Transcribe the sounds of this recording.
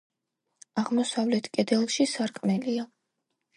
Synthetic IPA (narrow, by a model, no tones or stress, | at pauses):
aʁmɔsavlɛt̪ʰkʼɛd̪ɛlˠʃisaɾkʼmɛlia